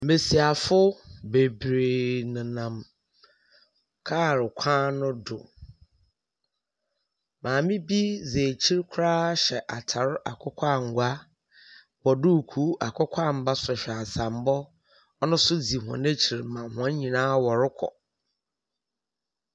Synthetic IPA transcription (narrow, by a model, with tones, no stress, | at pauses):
me˨si˨a˨fʊ˦be˨bɾe˨nã˨nã˨m | kʰaː˦˨ɾɪ˨kʷʰãː˦nʊ̃˦dʊ̰˨ | mãː˨mɪ̃˦bi˦ze˨t͡ɕʰi˦ɾkʷʰɾaː˦ɕɛ˨ʔa˨tʰa˨ɾʔa̰˨kʰʷɔ˦kʷʰa˦ŋ̩˨ɡʷa˦ | wɔ˨du˦˨kʰu˦a̰˨kʰɔ˦kʷʰa˦˨m̩˨ba˦sʊ˨ɕᶣɛ˨a˨sã˨m˦bɔ˦ | ɔ˦nʊ̃˦sʊ˦d͡zi˨ɦɔ̰̃˨nẽ˦t͡ɕʰi˨ɾmã˨hã˨˦ɲĩ˨nãː˦wɔ˨ɾɪ˦kʰɔ̰˨